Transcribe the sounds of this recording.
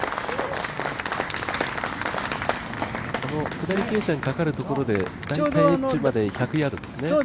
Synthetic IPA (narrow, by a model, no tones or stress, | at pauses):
ano̞kɯ̟d̪aɾʲike̞ːɕaɲ̟ikakaɾɯ̟t̪o̞ko̞ɾo̞d̪e̞d̪ad̪aiit͡ɕɨmad̪e̞çakɯ̟jad̪o̞d̪e̞sɨneo